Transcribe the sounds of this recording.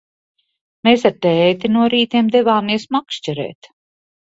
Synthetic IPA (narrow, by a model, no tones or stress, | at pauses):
meːs̬aɾt̪ɛːt̪inuɔɾiːt̪iɛmd̪ɛvaːmiɛsmakʃt͡ʃɛɾɛ̰ːt̪